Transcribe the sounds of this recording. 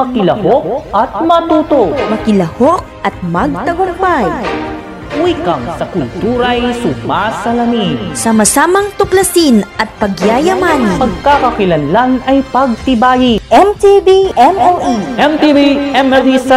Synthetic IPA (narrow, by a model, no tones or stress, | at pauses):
mɐkɪlɐhok̚ʔɐt̪̚mɐt̪uːt̪ok̚mɐkɪlɐhok̚ɐt̪̚mɐɡ̚t̪ɐɡʊk̚baj | wiːkɐŋsɐkʊlt̪uːɾɐjsʊmasɐlɐminsɐmɐsaːmɐŋt̪ʊklɐsinʔɐt̪̚pɐɡjaːjɐmanpɐɡ̚kakɐkɪlɐnlanɐjpɐɡ̚t̪ɪbaːjiʔɛmt̪ibiʔɛmɛlʔiʔɛmt̪ibiʔɛmɛlis